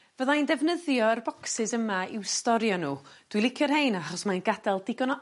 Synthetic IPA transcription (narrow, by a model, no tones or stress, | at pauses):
vəðaijndɛvnəðjɔərbɔksɨsəmaiwstɔɾjɔnuːd̥wilˠɪkʰjɔrhejnaχɔsmanɡadɛlˠdɪɡɔnɔ